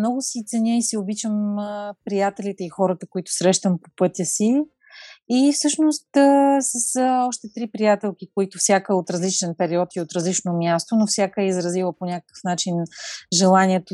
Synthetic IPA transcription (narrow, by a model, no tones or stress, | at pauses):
mnɔɡʊsit̪sɛnʲəisiobit͡ʃəmpɾijat̪ɛlʲit̪ɛixɔɾət̪əkoit̪ʊ̥sɾɛʃt̪əmpo̥pɤt̪ʲəsiː | fsɤʃnost̪sɐsəɔʃt̪ɛt̪ɾipɾijat̪ɛlˠk̟ikoit̪ʊfsʲakəot̪ɾɐzlit͡ʃɛnpɛɾiɔt̪iot̪ɾɐzlit͡ʃnomʲjast̪onofsʲjakəɛizɾɐzilˠəponʲakə̥kə̥fnat͡ʃinʒɛlˠanʲiɛt̪o